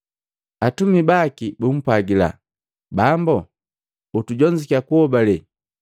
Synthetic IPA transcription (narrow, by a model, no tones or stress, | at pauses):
atumibakibum̩paɡila̰ | bambɔ | utuɟɔɲd͡ʒikakuhɔbalɛ